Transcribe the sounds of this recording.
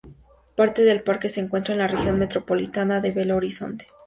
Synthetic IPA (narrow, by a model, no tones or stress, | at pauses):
paɾt̪e̞ðe̞lpaɾke̞se̞ːŋkwe̞nt̪ɾaenlarexjo̞nme̞t̪ɾo̞po̞lit̪anaðe̞βelo̞ɾiso̞̰nt̪e̥